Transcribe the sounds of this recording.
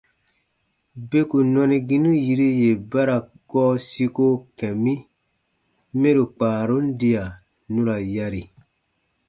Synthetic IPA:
be˦ku˨nɔ̃˧nĩ˧ɡĩ˦nũ˦ji˧ɾi˦je˨ba˦ɾa˨ | ɡɔː˦si˧ko˦kɛ̃˨mĩ˦ | mẽ˦ɾu˨k͡paː˨ɾo˦n̩˦di˧a˨ | nũ˦ɾa˨ja˧ɾi˨

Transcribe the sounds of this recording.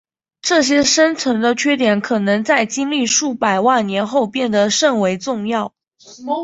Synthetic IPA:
ʈ͡ʂɤ˥˩ɕ̬jɛ˥ʂə˥nt͡sʰwə˧˥nd̪ə˧t͡ɕʰɥɛ˥t̪̬jɛ˨˧˥nkʰɤ˨˩nɤ˧˥ŋt͡sa˥˩ɪt͡ɕi˥ŋli˥˧ʂu˥˩pa˨˩ɪwa˥˩nnjɛ˧˥nxo˥˧ʊpjɛ˥˩nd̪ə˩ʂə˥˩ŋwe˧˥ɪt͡sʊ˥˧ŋjɑ˥˩ʊ

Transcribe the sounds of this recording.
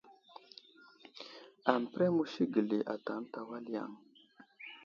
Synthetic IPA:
a˨m˨pɾɛ˦mu˦ʃi˦ɡə˨le˨ʔa̰˨ta˨˦n˦ta˨wa˦lja̰˨ŋ

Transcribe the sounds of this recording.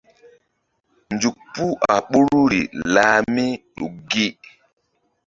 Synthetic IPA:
nd͡ʒu˨k̚pu˦a̰˨ɓu˦ɾɾu˦ɾḭ˨la˦mi˦ɗṵ˨ɡi˦

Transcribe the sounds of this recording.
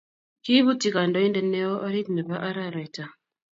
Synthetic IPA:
ki˦βu˦ti˨ka˨ndɔ˨˦i˦ndɛ˨nɛ˦ɔ˦ʔa˦ɾi˦tnɛ˨βa˦ʔa˦ɾa˦ɾɛ˨ta˨

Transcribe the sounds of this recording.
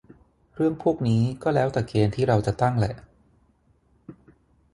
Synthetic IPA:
ɾɯ˥˩əŋpʰuː˥˩ək̚niː˦˥kɔː˥˩lɛː˦˥wt̪ɛː˨˩keː˧nt̪ʰiː˥˩ɾa˧wt͡ɕa˨˩t̪a˥˩ŋlɛ˨˩ʔ

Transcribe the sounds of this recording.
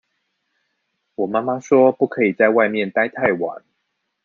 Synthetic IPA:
wɔ˨˩ma˥ma˦ʂwɔ˥pu˥˩kʰɤ˧˥i˨˩t͡sa˥˧ɪwa˥˧ɪmjɛ˥˨nt̪a˥ɪt̪ʰa˥˩ɪwa̰˨˩˦n

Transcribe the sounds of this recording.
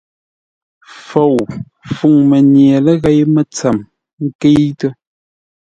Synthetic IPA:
fo˨w | fu˨ŋmə˨njɛ˨lə˦ɣɛ˦jmə˦t͡sa˨m | ŋ̩˦ke˦jtə˦

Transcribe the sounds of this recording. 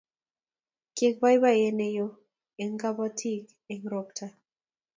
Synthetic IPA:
ke˦k̚ba˦jba˦˨je˦ne˦jo˦ | e˨ŋɡa˦ba˦tʰi˦k | e˨ŋɾo˦ktʰa˦

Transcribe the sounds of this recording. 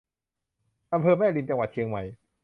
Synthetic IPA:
ʔa˧mpʰɤː˧mɛː˥˩li˧nt͡ɕa˧ŋwa˨˩t͡ɕʰi˧əŋma˧˩j

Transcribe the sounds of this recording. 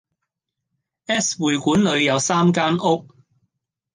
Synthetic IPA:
ʔɛː˥swuː˨jkuː˨˥nlɵ˨˧ɥjɐ˨˧wsaː˥mk̬aː˥nʊ˥k̚

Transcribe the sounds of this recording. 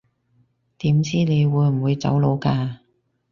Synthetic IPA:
t̪iː˨˥mt͡siː˥ne˨˧jwuː˨˧jm̩˨˩wuː˨˧jt͡sɐ̰˨˥wlo˨˧wkaː˧

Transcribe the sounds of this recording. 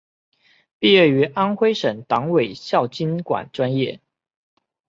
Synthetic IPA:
pi˥˧ɥɛ˥˩y˧˥ʔa˥nxwe˥ɪʂə˨˩ŋt̪ɑ˧˥ŋwe˨˩ɪɕjɑ˥˩ʊt͡ɕi˥nkwa̰˨˩nʈ͡ʂwa˦njɛ˥˨

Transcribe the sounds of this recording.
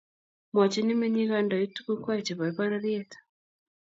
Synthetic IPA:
ma˨t͡ʃi˦ni˦me˦ɲi˦ɣa˦nda˨ji˦tu˦ku˦kwa˦i˨t͡ʃi˨βa˨i˦βa˦ɾa˦ɾi˦ɛ˦tḁ

